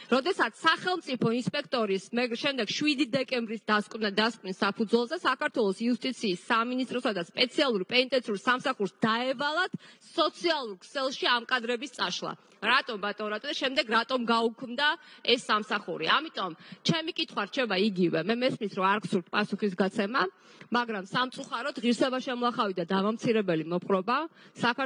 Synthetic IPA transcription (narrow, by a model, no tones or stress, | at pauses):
ɾɔd̪ɛsat̪sʰːaχɛlˠmt̪sʼipʰɔinspʼɛkʰt̪ʼɔɾismɛʃɛmd̪ɛɡ̥ʃwid̪id̪ɛkʼɛmbɾisd̪askʼwnad̪askʼwnisːapʰud̪zwɛlˠzɛsakaɾt̪ʰwɛlˠɔsiust̪ʼit̪sʰiːsːaminist̪ʼɾɔsad̪aspʼɛt̪sʰialˠuɾpʼɛnit̪ʼɛnʰiuɾsamsaχuɾsd̪aɛvalˠad̪̥sɔt̪sʰialˠuɾkʰsɛlˠʃiamkʼad̪ɾɛbist̪sʼaʃlˠa̰ | ɾat̪ʼɔmɾat̪ʼɔmɾat̪ʼɔd̪aʃɛmd̪ɛɡɾat̪ʼɔmɡaukʰmd̪aɛsːamsaχuɾiamit̪ʼɔmt͡ʃʰɛmikʼit̪ʰχwaɾt͡ʃʰɛbaiɡivɛmɛmɛsmisɾɔaɾksuɾt̪̚ʰpʼasuχis̬ɡat̪sʰɛma | maɡɾamsamt̪sʼuχaɾɔd̪ʁiɾsɛbaʃɛmulˠaχavid̪ad̪avamt̪sʰiɾɛbɛlimɔpʰʼχʼɾɔbasak